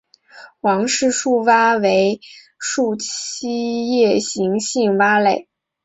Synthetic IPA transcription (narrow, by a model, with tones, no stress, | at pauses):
wɑ˧˥ŋʂɻ̩˥˧ʂu˥˩wa˥we˧˥ɪ | ʂu˥˩t͡ɕi˥jɛ˥˩ɕi˧˥ŋɕi˥˩ŋwa˥le˥˩˦ɪ